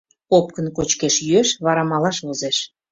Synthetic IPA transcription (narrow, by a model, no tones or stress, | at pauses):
op̚kə̆nkot͡ɕkeʃjyeʃβɑɾɑmɑlɑʃβozeʃ